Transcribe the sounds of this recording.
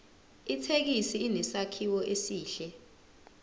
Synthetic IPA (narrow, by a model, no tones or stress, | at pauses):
itʰek̬isiːnɛsakʰiwɔʔesiːɬɛ